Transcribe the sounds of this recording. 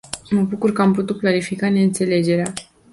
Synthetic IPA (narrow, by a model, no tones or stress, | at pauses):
məbukurkəamput̪ut̪̚klaɾifikane̞ɨnt̪se̞le̞d͡ʒe̞ɾea